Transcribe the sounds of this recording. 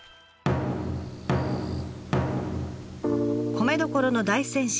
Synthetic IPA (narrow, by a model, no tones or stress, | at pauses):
kʰo̞me̞d̪o̞ko̞ɾo̞no̞d̪aisẽ̞ɰ̃ɕ